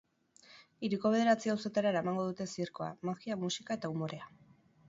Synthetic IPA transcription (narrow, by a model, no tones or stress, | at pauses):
iɾiko̞β̞e̞ð̞e̞ɾat͡siawsot̪eɾaɾaemaŋɡo̞ðut̪e̞siɾko̞a̰makiamusikae̞t̪aumo̞ɾe̞a